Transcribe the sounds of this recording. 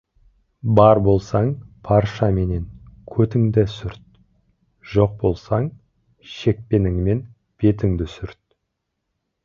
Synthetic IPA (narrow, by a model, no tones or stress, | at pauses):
bɑɾbo̞lˠsɑɴpʰɑɾʃɑme̞ne̞ŋkʲʰɵt̪ɪŋd̪ɪsʏɾt̪̚ | ʒ̥o̞q̚bo̞lˠsɑɴ | ʃe̞k̚pe̞nɪŋme̞n | b̥e̞t̪ɪŋd̪ɪsʏɾt̪̚